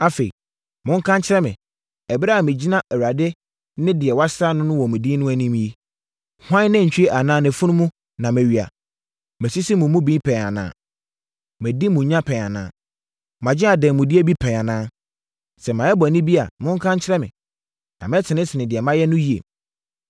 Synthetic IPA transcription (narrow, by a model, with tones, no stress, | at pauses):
a˦fe˨i˨ | mʊ̃˦ŋ̩˦kʰã˦ɲt͡ɕʰɪ˦ɾɛ˦mɪ̰̃˨ | ɛ˨bɾa˦˨mɪ̃˨d͡ʑi˦nã˦ʔɛ˨wa˨de˦ | nɪ̃˦dɪ˨ɛ˨wa˦sɾa˦nʊ̃˦nʊ̃˦wɔ˨mɪ̃˨di˦nʊ̃˦æ˦nĩ˦m˦ji˦ | hʷã˦nɪ̃˦˨ɲ̩ᶣ˨i˦e˦ʔa˨nãː˦nɪ̃˨fʊ˦nʊ̃˦mũ˦ | nã˨mɛ̃˨ɥi˨a̰˨ | mæ̃˨si˦si˦mʊ̃˨˦mʊ̃˦bĩ˦pʰɛ̃˨a˨nã̰ː˨˦ | mɛ̃˨di˦mũ˨ɲã˦pʰɛ̃˨a˨nã̰ː˦ | mã˨d͡ʑɪ˦a˨dɛ̃˨mʊ̃˨di˦e˦bi˦pʰɛ̃˨a˨nãː˦ | sɛ˨mã˨ɛ˦bɔ˨nĩ˦bi˦a̰˨mʊ̃˦ŋ˦kʰã˦ɲt͡ɕʰɪ˦ɾɛ˦mɪ̰̃˨ | nã̰˨mɪ̃˦tʰɪ˨nɪ̃˦sʰɪ˨nɪ̃˨dɪ˨ɛ˨mã˦jɛ˦nʊ̃˦ji˨ḛ˨